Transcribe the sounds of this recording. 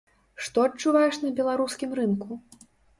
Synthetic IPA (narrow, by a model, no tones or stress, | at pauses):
ʂt̪ɔɐt͡ʂːuvajɛʂnɐbʲɛlˠaɾuskʲimɾɨnku